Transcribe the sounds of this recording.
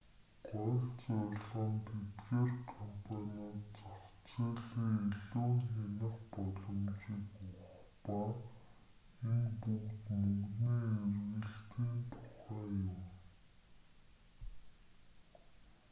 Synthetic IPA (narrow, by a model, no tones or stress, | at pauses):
ɢɔɬt͡sɔɮə̆nt̪ʰet̪ɡeːrkʰɔmpʰanʲɔt̪t͡saχt͡seːɮiːeɮoːŋxenə̆χpɔɮɞ̆mt͡ɕiːkʊχ | paː | enpukt̪mɵŋɡniːerɣɘ̆ɬt̪iːnt̪ʰʊχæːjʊm